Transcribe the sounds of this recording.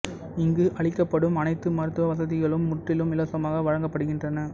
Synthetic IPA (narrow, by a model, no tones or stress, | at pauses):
ɪŋɡɯʔɐɭɪkːɐpːɐɽɯmɐnɐɪt̪ːɯmɐɾɯt̪ːɯʋɐʋɐsɐðɪɣɐɭɯmːʊʈrɪlɯmɪlɐsɐmaːɣɐʋɐɻɐŋɡɐpːɐɽɯɣɪndrɐnɐ